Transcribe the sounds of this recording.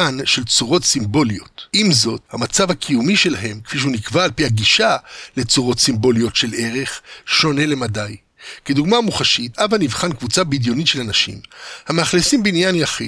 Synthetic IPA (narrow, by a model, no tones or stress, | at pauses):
anʃe̞lt͡suʁo̞tsimbo̞lio̞tʔimzo̞thamat͡savhakʰijumiʃe̞laɦe̞mke̥fiʃ̬ehunikvaːlpihaɡiʃale̞t͡suʁo̞t̪simbo̞lijo̞tʃe̞lʔe̞ʁe̞χʃo̞ne̞le̞madaj | ked̪uɡmaːmuχaʃitavanivχankvut͡sabidjo̞nitʃelanaʃḭmhameaχlisimbinjanjaχi